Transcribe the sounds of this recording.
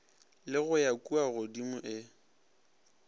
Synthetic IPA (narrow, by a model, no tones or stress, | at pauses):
lɪɣʊjakʼuaɣʊdimʊʔɪ